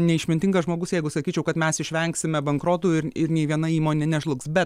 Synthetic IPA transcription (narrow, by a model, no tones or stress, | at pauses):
nʲɛɪʃʲmʲɪnʲt̪ʲɪŋɡɐsʒmoːɡʊsjɛɪɡʊsɐkʲiːt͡ʃʲɛʊkɐt̪mʲɛsɪʃʲʋʲɛŋksʲɪmʲɛbɐŋkɾoːt̪uːɪɾɪɾnʲɛɪʋʲiɛnɐiːmoːnʲɛnʲɛʒlˠʊksbʲɛt̪